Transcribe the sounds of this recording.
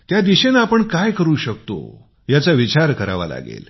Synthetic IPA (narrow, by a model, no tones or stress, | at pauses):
t̪jad̪iɕenaːpəɳkajkəɾuːɕək̚t̪o̰ | jat͡saʋit͡ɕaɾkəɾa̰ʋa̰la̰ɡḛl